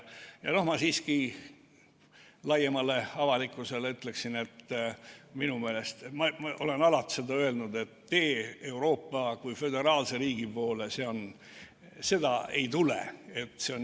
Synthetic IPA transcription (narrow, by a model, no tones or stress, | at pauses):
jɑ̰no̞hmɑsiːski | lɑjemɑle̞ɑvɑlikːˑuse̞leyt̪ːˑle̞ksine̞t̪ː | minume̞ːle̞st̪mɑmɑʔo̞le̞nɑlɑt̪se̞d̪ɑøe̞lnud̪e̞t̪ːe̞ːe̞wɾo̞ːpːɑkujfø̞d̪e̞ɾɑːlse̞ɾiːɡ̥ipo̞ːlese̞o̞n | se̞d̪ɑe̞̰jt̪ulḛe̞t̪ːseo̞n